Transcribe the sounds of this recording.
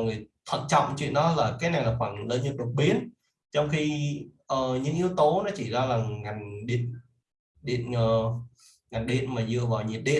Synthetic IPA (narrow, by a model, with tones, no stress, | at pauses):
ŋɨ˨˩əjt̪ʰə̰˧˨n̚t͡ɕɔ̰˧˨wŋ͡mt͡ɕwḭ˧ənɗɔ˨˦laː˨˩kaː˨˦jna˨˩ŋlaː˨˩xwaː˧˩nləː˨˧˦ɲə˨˩t̚lə˨˩k̚ɓi˨˦ən | t͡ɕɔ˧wŋ͡mxi˧ʔəː˨˩ɲɨ̰˧˥ŋʔi˧əwt̪o˨˦nɔ˨˦t͡ɕi˧˩zaː˧laː˨˩ŋa˨˩jŋ̟ɗḭ˧˨ən | ɗḭ˧˨ənə˨˩ | ŋa˨˩jŋ̟ɗḭ˧˨ənmaː˨˩zɨ̰˧˨əvaː˨˩wɲi˨˩t̚ɗḭ˧˨n